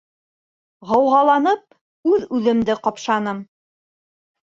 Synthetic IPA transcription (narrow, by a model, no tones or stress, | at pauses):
ʁɤ̆wʁɑlˠɑnɤp̚ | ʉðʉðɘ̆md̪ɘqɑpʃɑnɤm